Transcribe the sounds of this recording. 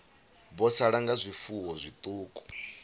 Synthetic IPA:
bɔsaɺaŋɡazʷifuwɔzʷit̪ʼuːkʼɔ̥

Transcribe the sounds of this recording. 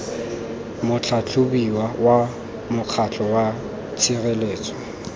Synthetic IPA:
mʊt͡ɬʰat͡ɬʰʊbiwawa | mʊq͡χʰat͡ɬʰʼɔwa | t͡sʰirɛleːt͡sʼɔ̥

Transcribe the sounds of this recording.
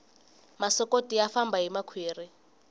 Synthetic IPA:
masɔkotʼiafambʱaɦimakʰweːri

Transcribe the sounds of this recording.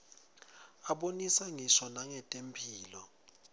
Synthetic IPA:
aɓonisaŋisɔnaŋɛtʼempʰiːlɔ

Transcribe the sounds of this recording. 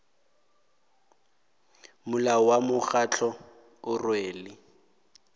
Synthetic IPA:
mʊlaɔwamʊχat͡ɬʰɔ | ʊrweːlɪ

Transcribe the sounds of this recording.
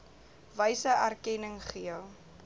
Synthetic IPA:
vəjsəʔærkɛnəŋχiəlˠ

